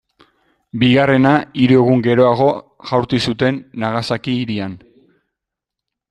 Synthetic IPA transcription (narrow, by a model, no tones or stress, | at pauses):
biɣare̞naiɾue̞ɣ̞uŋɡe̞ɾo̞aɣ̞o̞ | ʝawɾt̪isut̪e̞nːaɣasakiːɾian